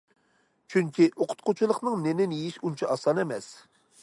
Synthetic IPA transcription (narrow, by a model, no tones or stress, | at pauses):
t͡ʃʰyŋkʲiʔoqʰʊ̥t̪̚qʊt͡ʃʰulˠəqnɨŋnenɪnijiʃunt͡ʃʰɑʔɑsɑnɛmɛs